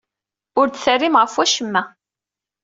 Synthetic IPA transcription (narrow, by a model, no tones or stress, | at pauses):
ʊɾt͡sθərːimʁəfwæʃəmːæ